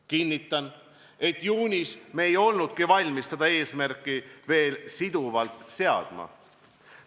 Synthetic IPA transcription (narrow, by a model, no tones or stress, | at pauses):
kinʲːit̪ːˑɑn | e̞t̪ːˑjuːnʲisme̞ːjo̞lnud̪̥̚kivɑlʲmissed̪̥ɑe̞ːsmærkːˑive̞ːlsid̪̥uvɑlt̪ˑse̞ɑ̰d̪̥mɑ̰